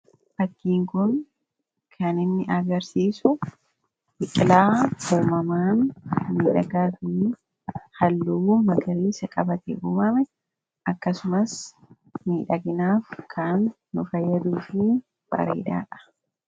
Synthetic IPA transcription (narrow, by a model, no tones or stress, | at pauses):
ʔɐkːiːŋkʊn | kʰɐnɪnːɪʔɐɡɐɾsiːsʊ | bɪkʼɪlaːuːmɐmaːnːiːᶑɐɡaːfɪ | hɐlːuːmɐɡɐɾiːsɐkʼɐbɐt̪ɛ̰ʔuːmɐmɛ | ʔɐkːɐsʊmɐs | miːᶑɐɡɪnaːfkʰaːnː | ʊfɐjːɐd̪uːfɪ | b̥ɐ̰ɾḛːd̪a̰ːᶑɐ̥